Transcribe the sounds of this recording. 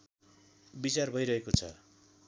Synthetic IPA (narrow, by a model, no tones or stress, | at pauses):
bit͡sarbʱʌjɾʌɦekot͡sʰʌ̰